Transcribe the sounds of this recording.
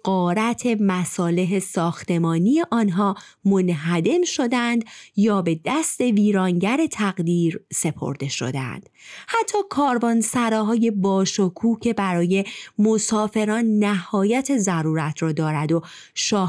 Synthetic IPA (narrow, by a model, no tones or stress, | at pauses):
ɢ̥ɒːɾæt̪ʰe̞mæsɒːle̞ɦe̞sɒːxt̪ʰe̞mɒːnije̞ʔɒːnɦɒːmonɦæd̪e̞mʃo̞d̪ænd̪jɒːbe̞d̪æst̪e̞viːɾɒːŋɟæɾe̞t̪ʰæɣd̪iːɾse̞pʰo̞̰ɾd̪e̞ʃo̰d̪æ̰nd̪̥hæt̪ʰːɒːkʰɒːɾbɒːnsæɾɒːɦɒːje̞bɒːʃokʰuːcʰe̞bæɾɒːje̞mo̞sɒːfe̞ɾɒːnːæhɒːjæt̪ʰe̞zæɾuːɾæt̪ʰɾɒːd̪ɒːɾæd̪o | ʃɒː